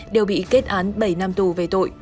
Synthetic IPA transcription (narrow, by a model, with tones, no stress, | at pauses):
ɗe˨˩wɓḭ˧˨ke˦˥t̚ʔaː˨˦nɓə˧˩jna˧mt̪u˨˩ve˨˩t̪o̰˧˨j